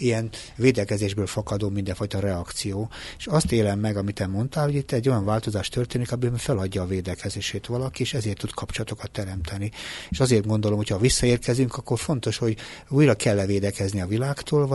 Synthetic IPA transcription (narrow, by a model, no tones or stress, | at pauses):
ijɛn | veːd̪ɛkɛzeːʒbøːlfɒkɒd̪oːmind̪ɛɱfɒjt̪ɒɾɛɒkt̪sijoːeʃɒst̪eːlɛmːɛɡɒmit̪ɛmo̞nt̪aːlhoɟit̪ːɛɟːo̞jɒɱvaːlt̪o̞zaːʃt̪ørt̪eːnikɒmiømfɛlɒɟːɒːveːd̪ɛkɛzeːʃeːt̪ʋɒlɒkieːʃɛzeːrt̪ːud̪kʰɒpt͡ʃolɒt̪o̞kɒt̪ːɛɾɛmt̪ʰɛnieʃɒzeːrt̪ɡo̞nd̪o̞lomhochɒvisːɒeːrkɛzyŋkɒkːo̞rfo̞nt̪o̞ʃho̞ɟuːjrɒkɛlːɛveːd̪ɛkɛzniɒvilaːkt̪oːlv